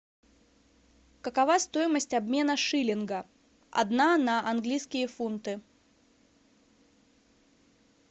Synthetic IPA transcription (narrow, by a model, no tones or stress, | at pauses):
kəkɐvast̪o̞jɪməsʲtʲɐbmʲe̞nəʂɨlʲɪnɡə | ɐ̰d̪nanɐʔɐnɡlʲijskʲɪjəfunt̪ɨ